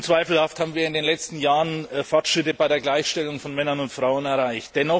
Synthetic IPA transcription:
t͡sv̥aɪfl̩hafthaːbm̩viːɐɪndeːnlɛt͡stn̩jaːʁənfaɐtʃʁ̥ɪtəbaɪɾeːɐɡlaɪçʃtɛlʊŋfɔnmɛnɐnʊntfʁ̥aʊənɛɐʁaɪçt̚d̥ɛnɔ

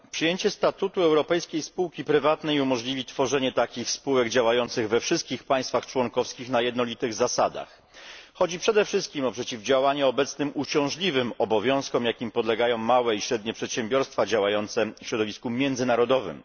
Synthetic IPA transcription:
pʂɨjeɲt͡ɕɛst̪at̪ut̪uɛwɾɔpɛjskʲejspuwkʲipɾɘvat̪nɛjumɔʐlʲivʲit̪fɔʐɛɲɛt̪akʲixspuwɛɡd͡ʑawajɔnt̪sɘɣvɛfʂɘst̪̚kʲixpaj̃st̪faxt͡ʂwɔŋkɔfskʲixnajɛd̪nɔlʲit̪ɘɣzasad̪a̰x | xɔd͡ʑipʂɛd̪ɛfʂɘst̪̚kʲimɔpʂɛt͡ɕivd͡ʑawaɲɛɔbɛt̪snɘmut͡ɕɔ̃w̃ʐlʲivɘmɔbɔvʲjɔ̃w̃skɔmjakʲimpɔd̪lɛɡajɔ̃w̃mawɛiɕɾɛd̪ɲɛpʂɛt̪ɕɛmbʲjɔɾst̪fad͡ʑawajɔnt̪sɛfɕɾɔd̪ɔvʲiskumʲjɛnd̪zɘnaɾɔd̪ɔvɘ̰m

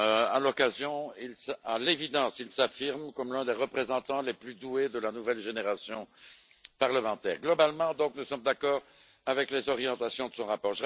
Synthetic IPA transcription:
øa̰lɔkazjɔ̃ilsalevid̪ɑ̃silsafiʁmkɔmlɛ̃d̪eʁəpχezɑ̃t̪ɑ̃leplyd̪ued̪əlanuvɛlʒeneʁasjɔ̃ | paʁləmɑ̃t̪ɛ̰ːʁɡlɔbalmɑ̃d̪ɔ̃knusɔmd̪akɔːʁ | avɛklezɔʁjɑ̃t̪asjɔ̃d̪əsɔ̃ʁapɔːʁʒə

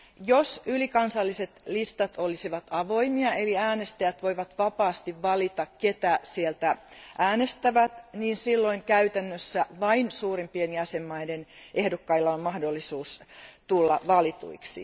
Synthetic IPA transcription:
josylikɑnsɑlːise̞t̪list̪ɑt̪olisiʋɑt̪ɑʋo̞imiɑe̞liæːnest̪æjæt̪ʋo̞iʋɑt̪ʋɑpɑːst̪iʋːɑlit̪ɑkket̪æsielt̪æʔæːne̞st̪æʋæt̪niːnsilːo̞iŋkæyt̪ænːøsːæʋɑinsuːrimpienjæsemːɑidenʔe̞hdokːɑilːɑommɑhdolːisuːst̪ulːɑʋɑlit̪ṵiksḭ

